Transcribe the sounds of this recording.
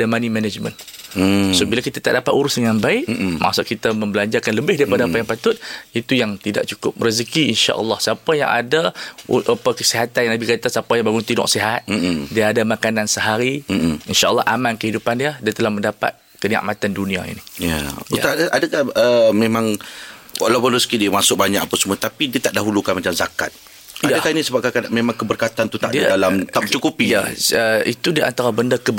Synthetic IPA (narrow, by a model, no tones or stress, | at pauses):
dəmanimɛnəd͡ʒmə̰̃n | sobilakit̪at̪aʔdapat̪̚uɾʊsdəŋanbaɪʔma̰ʔsʊʔ̪̚kit̪amə̃mbəlaɲd͡ʒakanləbɪhdaɾipadaapajaŋpat̪ʊt̪̚it̪ujaŋt̪ida̰ʔt͡ʃukʊp̚rizəkiinʃa̰ʔə̰lːɑhsəapaja̰ŋa̰daʔapəkəsiɦat̪anjanabikat̪asapajaŋbaɡʊnt̪inɔ̰ʔsiɦat̪̩̚diəadamakanansəɦaɾiinʃaʔəlːɑ̰hʔamãnkəhidupandiədiət̪əlahməndapa̰t̪̚kənia̰ʔmat̪andunĩa̰ḭnija̰a̰adaʔadakahəmẽmãŋwa̰lapadosə̥kidiəmasʊk̚baɲa̰k̚apasəmuat̪apidiət̪aʔdaɦulukanmat͡ʃamzaka̰t̪̚ | jaadakainisəbap̚kakamemãŋkəbərkat̪ant̪ut̪aʔdidalamt̪at͡ʃukupijaəit̪udiʔa̰nt̪aɾabəndakə